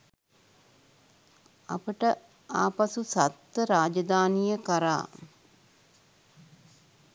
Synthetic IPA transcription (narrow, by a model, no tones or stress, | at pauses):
a̰pəʈə | aːpasusat̪ːəɾaːd͡ʒɐd̪aːnijəkəɾa̰ː